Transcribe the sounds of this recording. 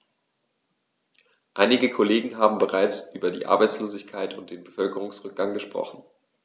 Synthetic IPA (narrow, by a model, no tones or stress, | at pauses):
ʔaɪnɪɡəkʰoleːɡŋ̩ɦaːbm̩bəʁaɪt͡sʔyːbɐdḭːʔa̰ɐbaɪt͡sloːzɪçkʰaɪtʊnt̚d̥eːnbəfœlkəʁ̞ʊŋsʁʏk̚ɡ̥aŋɡəʃpʁ̥ɔ̰χn̩